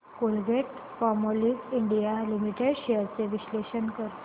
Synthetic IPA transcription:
kolɡeʈ | fɔɾmolikiɳɖijalimiʈeɽɕejəɾt͡seʋisleɕənkəɾ

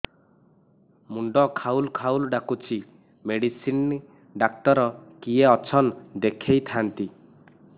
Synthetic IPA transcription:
muɳɖɔkʰaulkʰawlɖakut͡ʃʰi | meɽisin | ɖak̚t̪ɔɾɔkieɔt͡ʃʰɔnd̪ekʰejt̪ʰant̪i

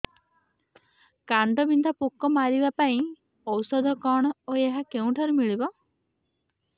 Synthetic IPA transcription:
kaɳɖɔbind̪ʱapukːɔmaɾibapaĩ | ɔwsɔd̪ʱɔkɔɽ̃ɔoeɦakeũʈʰaɾumiɭibɔ

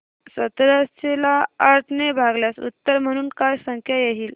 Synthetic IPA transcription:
sət̪ɾast͡ɕelaːɾʈʰnebʱaɡljasṵt̪ːəɾm̤əɽ̃uːnkajsə̃ŋkʰjajeɦiːl

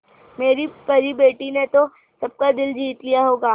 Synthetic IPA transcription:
meːɾipɐɾibeːʈinet̪o | sɐb̚kad̪ɪld͡ʒʱiːt̪lijaɦoːɡaː

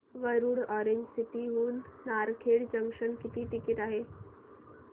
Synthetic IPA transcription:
ʋəɾuːɽɔɾeɲd͡ʑsiʈiɦuːnːaɾkʰeɽd͡ʑəŋkʂənkit̪iːʈikiʈ̪aɦe

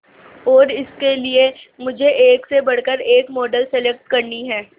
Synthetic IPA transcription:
ɔːɾɪskelie | mʊd͡ʒʱeʔeːksebɐɽ̤kəɾeːkmɔːɖəlsɛlɛk̚ʈ̚kɐɾniɦɛː

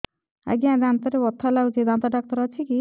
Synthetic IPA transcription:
a̰ɡiãd̪ant̪ɔɾebɔt̪ʰːalawt͡ʃʰid̪ant̪aɖak̚t̪ɔɾat͡ʃʰiki

